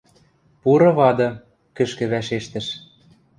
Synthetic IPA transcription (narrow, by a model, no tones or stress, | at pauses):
puɾɤ̆βɑd̪ɤ̆ | kɘ̆ʃkɘ̆βæʃeʃt̪ɘ̆ʃ